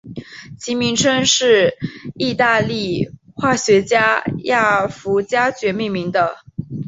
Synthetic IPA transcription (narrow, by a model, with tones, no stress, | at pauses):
t͡ɕʰi˧˥mi˧˥ŋʈ͡ʂʰə˥ŋʂɻ̩˥˩i˥˧t̪a˥˧li˥˩xwa˥˩ɕɥɛ˧˥t͡ɕja˥ja˥˩fu˧˥t͡ɕja˥t͡ɕɥɛ˧˥mi˥˩ŋmi˧˥ŋd̪ə˧